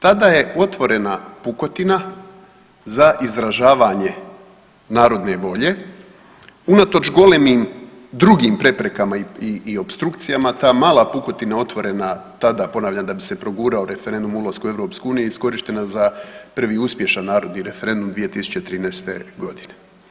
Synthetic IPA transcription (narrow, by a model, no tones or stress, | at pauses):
t̪ad̪aje̞o̞t̪ʋo̞ɾe̞napuko̞t̪ina | zaʔizɾaʒaːʋaɲe̞ | naːɾo̞d̪ne̞ʋo̞ʎe̞ | unat̪o̞t͡ʃɡo̞lemiːm | d̪ɾuɡiːmpɾe̞pɾe̞kamaiiːo̞pst̪ɾukt̪sijamat̪aːmaːlˠapuko̞t̪inao̞t̪ʋo̞ɾe̞nat̪ad̪apo̞naːʋʎand̪abise̞pɾo̞ɡuːɾaoɾe̞feɾe̞nd̪umulˠaskue̞ʋɾo̞pskouːnijeisko̞ɾiʃt̪e̞nazapr̩ʋiuspje̞ʃanːaːɾo̞d̪niɾe̞fe̞ɾe̞nd̪umd̪ʋije̞t̪isu̥t͡ɕe̞t̪ɾiːneːst̪ḛɡo̞d̪ine